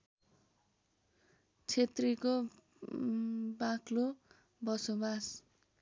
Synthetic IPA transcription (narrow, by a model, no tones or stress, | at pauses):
t͡sʰet̪riko | baklo | bʌsobas